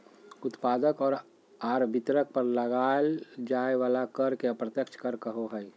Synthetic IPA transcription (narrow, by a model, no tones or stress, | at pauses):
ʊt̪paːd̪əkɔːɾ | aːɾbʱɪt̪ɾək̚pəɾləɡaːld͡ʒaːeʋaːlakəɾkeəpɾət̪jəkt͡ʃʰkəɾkəɦoɦɛj